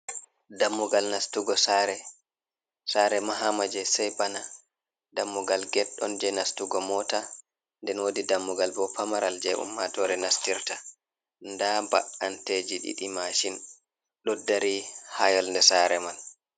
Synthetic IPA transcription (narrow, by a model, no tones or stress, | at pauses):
damːuɡalnastuɡɔsaɾɛ | saɾɛmaɦamad͡ʒɛsɛjbana | damːuɡalɡɛɗːɔ̰nd͡ʒɛnastuɡɔmɔta | ndɛnwodidamːuɡalbɔpamaɾald͡ʒɛʔṵmːatɔɾɛnastiɾta | ndaba̰ɗanteːd͡ʒiɗḭɗimaʃin | ɗɔdːaɾihajɔlndɛsaɾɛmal